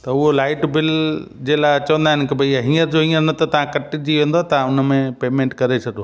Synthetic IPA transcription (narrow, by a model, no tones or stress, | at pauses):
t̪ɐʊɦolaːɪʈbɪld͡ʑeːlaɪt͡ɕɐʋə̃nd̪aɦɪnɪkɪbɐaɦĩːəɾd͡ʑoɦĩːəɾnɐt̪ɐt̪ɐʋ̤ãkɐʈɪd͡ʑiʋẽːnd̪oaːt̪ɐãʊnə̆mẽpeːmẽːɳʈkɐɾet͡ɕʰɐɗoː